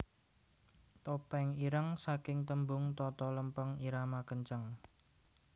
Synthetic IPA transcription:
t̪opɛŋiɾəŋsakɪŋt̪əmbʊŋt̪ɔt̪ɔləmpəŋiɾamakəɲt͡ʃəŋ

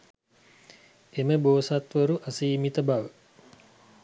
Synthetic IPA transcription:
eməboːsat̪ʋəɾuʔasiːmit̪əbaʋə

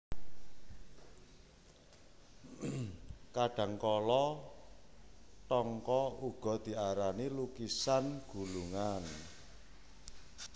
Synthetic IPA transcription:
kaɖ̥ä̤ŋkɔlɔ | ʈɔŋkɔuɡ̥ɔ̤d̪̥i̤aɾanilukisanɡ̥ṳluŋan

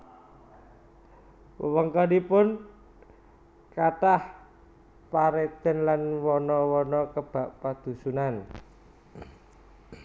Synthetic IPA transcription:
wəwəŋkɔdipʊn | kaʈah | paɾet̪ənlanwɔnɔwɔnɔkəb̥a̤ʔpad̪̥ṳsunan

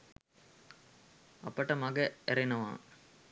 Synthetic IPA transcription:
ɐpːɐʈːɐmɐɡɐɛɾɪnɐʋã̰ː

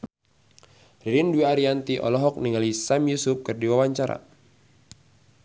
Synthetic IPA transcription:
riɾinduiaɾiant̪iʔɔ̰lɔɦɔk̚niŋalisamjusʊp̚kɨrdiwawaɲt͡ʃaɾa̰

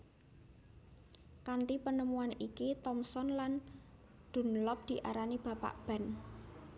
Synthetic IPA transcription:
kant̪ipənəmuanikit̪ɔmsɔnlan | d̪̥ṳnlɔp̚d̪̥i̤ʔa̰ɾanib̥ä̤pa̰ʔb̥a̤n

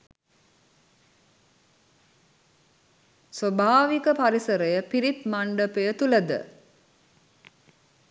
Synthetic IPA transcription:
sobʱaːʋikəpaɾisəɾəjəpiɾit̪maɳɖəpəjət̪uləd̪ə̰

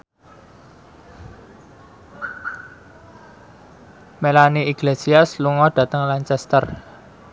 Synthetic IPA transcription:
melaniiɡlesiasluŋɔɖ̥ä̤t̪əŋlaɲt͡ʃɛst̪ər

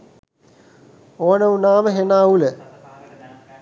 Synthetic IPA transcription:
oːnəunaːməɦenaːulə

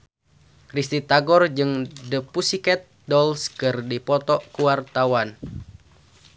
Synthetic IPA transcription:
krist̪it̪aɡɔrd͡ʒɨŋdəpusikɛt̪̚dɔlskɨrdipɔt̪ɔkuwart̪awan

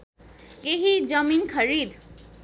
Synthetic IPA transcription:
keɦid͡zʌminkʰʌɾid̪

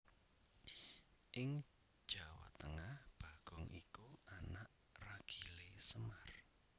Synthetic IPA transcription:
ʔɪŋ | d̥ʒ̥a̤wa̰t̪əŋahb̥a̤ɡ̥ɔŋḭkuanaʔ | raɡ̥i̤lesəmar

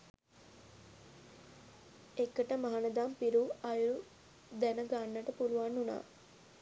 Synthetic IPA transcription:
ekːəʈəmaɦanəd̪aːmpiɾuajulu | d̪ænəɡanːəʈəpuluʋanːuna̰ː

